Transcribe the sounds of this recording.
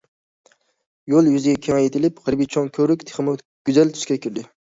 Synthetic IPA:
jolˠjyzɪɡʲɛkʲʰeŋɛjet̪ʰɪlɪphəɾbijt͡ʃʰoŋkʲʰøɾykʲt̪ʰe̥χɨmɨ | ɡ̥ʲyzɛlt̪ʰy̥ʃkʲɛkʲʰiɾd̪ɪ

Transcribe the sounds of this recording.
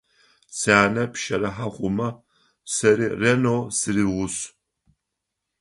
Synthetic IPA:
saːnɐpʃɐɾɐħaχʷʊmɐ | sɐɾiːrenowsɨɾiʁʷʊɕ

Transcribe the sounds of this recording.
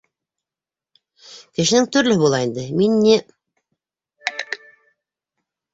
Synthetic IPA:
kɘ̆ʃɘ̆nɘŋt̪ɵ̆ɾlɵ̆hɘβulˠɑind̪ɘminːi

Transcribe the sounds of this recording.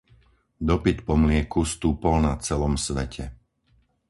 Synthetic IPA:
d̪ɔpit̪pɔmlɪɛkust̪uːpɔlnat͡sɛlɔmsʋɛcʰɛ

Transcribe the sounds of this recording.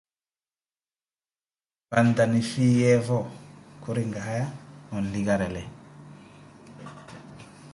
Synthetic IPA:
pandanifijɛvɔkuɾiŋɡaɦajaɔn̩liɡaɾɛlɛ

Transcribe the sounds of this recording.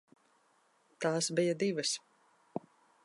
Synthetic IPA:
t̪aːsbijɐd̪ivɐs

